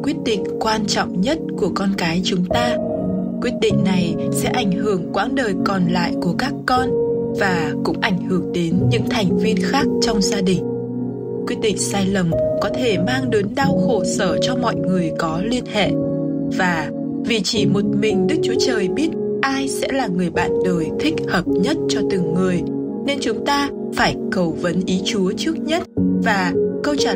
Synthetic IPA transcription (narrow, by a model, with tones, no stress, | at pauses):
kwi˦˥ət̚ɗḭ̈˧˨ŋ̟kwaː˧nt͡ɕɔ̰˧˨wŋ͡mɲə˦˥t̚ku˧˩əkɔ˧nkaː˨˦jt͡ɕʊ˨˦ŋ͡mt̪aː˧ | kwi˦˥ət̚ɗḭ̈˧˨ŋ̟na˨˩j | sɛ̰˧˥ʔa˧˩jŋ̟ɦɨ˧˩əŋkwaː˨˦nɗəː˨˩jkɔ˨˩nla̰ː˧˨jku˧˩əkaː˦˥kːɔ˧n | vaː˨˩kʊ̰˧˥ŋ͡mʔa˧˩jŋ̟hɨ˧˩əŋɗe˨˦nɲɨ̰˧˥ŋt̪ʰa˨˩jŋ̟vi˧ənxaː˦˥k̚t͡ɕɔ˧wŋ͡mzaː˧ɗï˨˩ŋ̟ | kwi˦˥ət̚ɗḭ˧˨ŋ̟saː˧jlə˨˩mkɔ˨˦t̪ʰe˧˩maː˧ŋɗə˨˦nɗaː˧wxo˧˩səː˧˩t͡ɕɔ˧mɔ̰˧˨jŋɨ˨˩əjkɔ˨˦li˧ənhɛ̰˧˨ʔ | vaː˨˩ | vi˨˩t͡ɕi˧˩mo˨˩t̚mï˨˩ŋ̟ɗɨ˦˥k̚t͡ɕu˨˦ət͡ɕəː˨˩jɓi˦˥ət̚ | ʔaː˧jsɛ̰˧˥laː˨˩ŋɨ˨˩əjɓa̰ː˧˨nɗəː˨˩jt̪ʰï˦˥k̚həː˨˩p̚ɲə˦˥t̚t͡ɕɔ˧t̪ɨ˨˩ŋːɨ˨˩əj | ne˧nt͡ɕʊ˨˦ŋ͡mt̪aː˧ | faː˧˩jkə˨˩wvə˨˦nʔi˨˦t͡ɕu˨˦ət͡ɕɨ˦˥ək̚ɲə˦˥t̚vaː˨˩kə˧wt͡ɕa˧˨